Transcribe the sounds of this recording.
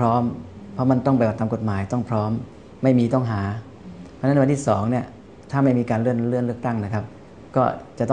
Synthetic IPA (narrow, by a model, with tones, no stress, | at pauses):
pʰɾɔː˦˥m | pʰɾɔ˦˥ma˧nt̪ɔ˥˩ŋba˧jba˨˩t̪ːaː˧ko˨˩t̪̚maː˩˦jt̪ɔ˥˩ŋpʰɾɔː˦˥mː | a˥˩jmiː˧t̪ɔ˥˩ŋɦaː˩˦ | pʰɔ˧˥na˦˥˧nt̪iː˥˩sɔː˩˦ŋni˥˩ɐ | t̪ʰaː˥˩ma˥˩jmiː˧kaː˧nlɯ˥˩ənlɯ˥˩ənlɯ˥˩ək̚t̪a˥˩ŋna˦˥kʰa˦˥p̚ | kɔː˥˩t͡ɕa˨˩ʔt̪ɔ˥